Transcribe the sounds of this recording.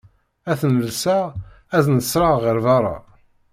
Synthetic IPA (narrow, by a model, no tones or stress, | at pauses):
æθnəlsæ | æznəsɾˤɑʁəɾvɑɾˤɑ̰